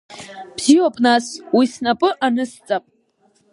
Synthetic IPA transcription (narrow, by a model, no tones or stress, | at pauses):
b̥z̥iwapʼnaswisnapʼɨʔanɨst͡sʼapʼ